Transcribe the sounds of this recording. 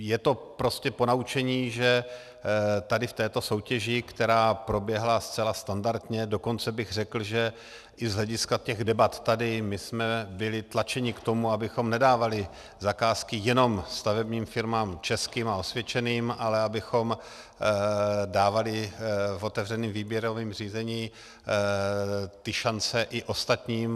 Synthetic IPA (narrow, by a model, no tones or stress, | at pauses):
jɛt̪o̞pɾo̞scɛpo̞naut͡ʃɛɲiːʒɛ | t̪adɪft̪ɛːt̪oso̞wcɛʒɪkt̪ɛɾaːpɾo̞bjɛɦlast͡sɛlast̪andaɾt̪ɲɛdo̞ko̞nt͡sɛbɪɣr̝ɛkl̩ʒɛ | ʔɪzɦlɛɟɪskacɛɣdɛbat̪ːadɪmɪsmɛbɪlɪt̪lat͡ʃɛɲɪkt̪o̞muabɪxo̞mnɛdaːvalɪ | zakaːskɪjɛno̞mst̪avɛbɲiːmfɪɾmaːmt͡ʃɛskiːmao̞svjɛt͡ʃɛniːmʔalɛabɪxo̞m | daːvalɪfo̞t̪ɛvr̝ɛniːmviːbjɛɾoviːmr̝iːzɛɲiː | t̪ɪʃant͡sɛʔɪʔo̞st̪at̪ɲiːm